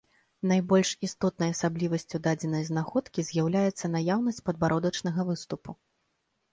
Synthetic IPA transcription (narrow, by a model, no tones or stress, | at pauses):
najbɔlʲʂist̪ɔt̪nɐjɐsablʲivɐsʲt͡sʲud̪ad͡zʲɛnɐjznaxɔt̪kʲizʲjawlʲajɛt̪sːɐnajawnɐsʲt͡sʲpɐd̪baɾʔɔd̪ɐt͡ʂnɐɣɐvɨst̪upu